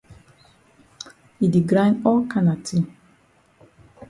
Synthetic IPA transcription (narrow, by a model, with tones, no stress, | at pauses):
i˨di˨ɡɾã˦jnɔ˦kʰa˦na˨tʰi˦